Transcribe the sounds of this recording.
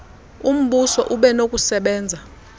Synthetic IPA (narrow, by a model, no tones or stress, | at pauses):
um̩ɓusɔʔuɓɛnokʼusɛɓɛːnd͡zʱa